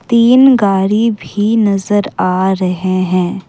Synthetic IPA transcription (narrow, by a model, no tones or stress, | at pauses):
t̪iːnɡaːɾibʱinɐzəɾaːɾɐɦeɦɛ̃ː